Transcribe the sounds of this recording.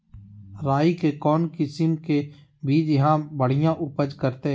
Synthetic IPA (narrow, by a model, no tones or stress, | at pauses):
ɾaːikekɔːnkɪsɪmke | bʱiːd͡ʒɪɦãːbəɽ̤ɪjãʔʊpəd͡ʒkəɾt̪eɦɛ